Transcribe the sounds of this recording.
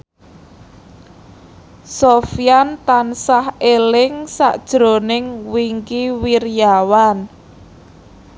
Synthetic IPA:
sofijant̪ansahelɪŋsa̰ʔd̥ʒ̥ɾo̤nɪŋwiŋkiwirjawan

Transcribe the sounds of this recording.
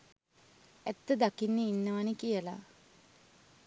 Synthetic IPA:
æt̪ːəd̪akinːeinːəʋanikijəla̰

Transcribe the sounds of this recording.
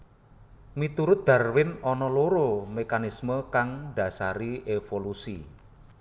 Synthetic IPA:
mit̪uɾʊt̪̚d̪̥a̤rwɪnɔnɔloɾomekanisməkaŋɖ̥a̤sa̰ɾiefolusi

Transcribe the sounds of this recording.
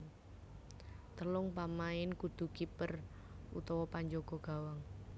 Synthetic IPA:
t̪əlʊŋpamaɪnkud̪̥ṳkipər | ṵt̪ɔwɔpaɲd͡ʒoɡ̥ɔ̤ɡ̥a̤waŋ

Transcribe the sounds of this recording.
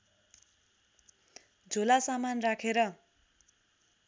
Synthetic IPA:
d͡zʱolasamanrakʰeɾʌ

